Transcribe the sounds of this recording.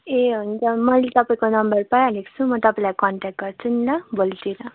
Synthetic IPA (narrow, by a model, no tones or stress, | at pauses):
eɦunt͡sʌmʌlet̪ʌpaĩkonʌmbʌrpajalekt͡sʰumʌt̪ʌpaĩlajkɔɳʈak̚ʈ̚ɡʌrt͡sʰunlabolt̪iɾa